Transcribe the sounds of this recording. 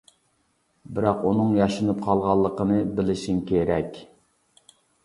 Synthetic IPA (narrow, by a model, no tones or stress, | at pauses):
bɪɾɑqunɨŋjɑʃɨnɨp̚qʰɑlˠʁɑlˠːəqənɨbɪlɪʃiŋkʲeɾɛkʲ